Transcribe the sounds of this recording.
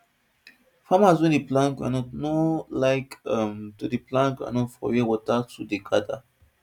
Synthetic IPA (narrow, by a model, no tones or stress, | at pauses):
famazwĩndiplãnkkã̰nɔtnolaɪkãmtudiplãnkã̰nɔtfɔ̰wɛwɔtatudeɡada